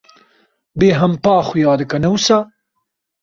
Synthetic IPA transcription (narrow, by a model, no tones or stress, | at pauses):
beːɦɐmpɑːxujɑːd̪kɐnɐwusaː